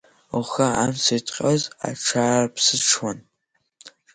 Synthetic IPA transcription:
uxaa̰msitʼqʲʼɐza̰ʈ͡ʂʰaːrpʰsɨʈ͡ʂʰwan

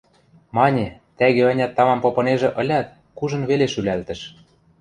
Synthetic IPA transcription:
mɑnʲet̪æɣeɤnʲɑt̪ːɑmɑmpopɤ̆neʒĕʔɤ̆lʲɑt̪̚ | kuʒɤ̆nβeleʃylælt̪ɘ̆ʃ

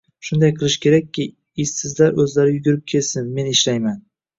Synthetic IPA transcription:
ʃʊnd̪ajqʰɨlˠɪʃkʲe̞ɾakʲʰːɪ | ɪssɪzlaɾɵzlaɾɪjʊɡʲʊɾɪp̚kʲʰe̞lsɪnme̞nɪʃlajman

